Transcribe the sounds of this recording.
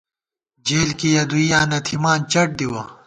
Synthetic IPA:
d͡ʑeːlkijɐd̪ujaːnɐt̪ʰimaːnt͡ɕɐʈ̚d̪iwɐ

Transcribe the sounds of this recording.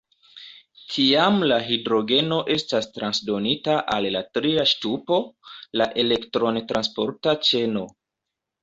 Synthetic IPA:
tʰiamlaɦidɾo̞ɡe̞no̞ʔe̞stastɾansdo̞nitaʔalːatɾiaʃtupo̞laʔe̞le̞ktɾo̞ntɾʔanspo̞ɾtat͡ʃe̞no̞

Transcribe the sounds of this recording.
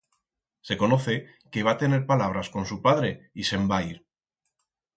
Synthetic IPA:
se̞ko̞no̞θe̞ | keβ̞at̪e̞ne̞ɾpalaβ̞ɾasko̞nsupaðɾe̞ise̞mbaiɾ

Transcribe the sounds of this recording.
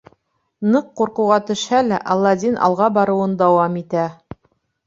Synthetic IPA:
nɤqːuɾqɤ̆wʁɑt̪ɵ̆ʃhælæʔɑlˠːɑd̪ʲinʔɑ̰lˠʁɑbɑɾɤ̆wɤnd̪ɑwɑmit̪æ

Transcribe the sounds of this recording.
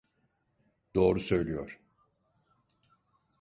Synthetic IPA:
d̪̥o̞ːɾusø̞jlʲijoɾ̥

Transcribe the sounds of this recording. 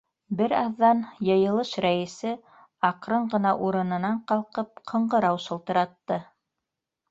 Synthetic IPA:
bɘɾɑðːɑnjɤ̆jɤ̆lˠɤʃɾæjɘ̆sɘ | ɑqɾɤɴɢɤ̆nɑʔuɾɤ̆nɤ̆nɑɴqɑlˠqɤp̚qʰɤ̆ɴɢɤ̆ɾɑwʃɤ̆lˠt̪ɤ̆ɾɑt̪ːɤ

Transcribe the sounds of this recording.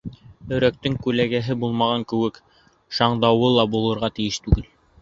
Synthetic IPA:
ɵ̆ɾæk̚t̪ɘŋkʉlæɡæɦɘbulˠmɑʁɑŋkɘ̆wɘk | ʃɑɴd̪ɑwɤlˠɑbulˠɤ̆ɾʁɑt̪ɘ̆jɘʃt̪ʉɡɘl

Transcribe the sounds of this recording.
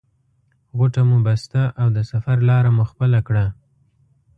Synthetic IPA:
ɣoʈamubast̪aʔawd̪əsafaɾlɑɾamuxpəlakɽa

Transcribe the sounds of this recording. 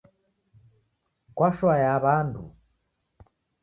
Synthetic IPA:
kwaʃwajaβandṵ

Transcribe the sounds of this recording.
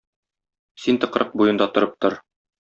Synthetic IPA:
sint̪ɤ̆qɾʔɤq̚bujɤ̆nd̪ɑt̪ŏɾɤp̚t̪oɾ

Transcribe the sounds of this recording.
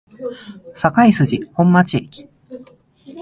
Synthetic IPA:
sakaisɨʑihõ̞mːat͡ɕiekʲi̥

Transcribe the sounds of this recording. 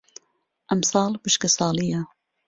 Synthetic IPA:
ʔɐmsɑːlbɨʃkɐsɑːlijɐ

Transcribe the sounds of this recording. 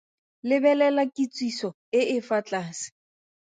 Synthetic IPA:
lɪbɛlɛlakʼit͡sʼwisɔ | ɪʔɪfat͡ɬʼaːsɪ̥

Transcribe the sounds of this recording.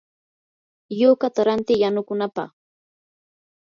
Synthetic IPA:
jokat̪aɾant̪ɪjanʊkʊnapɑ̰χ

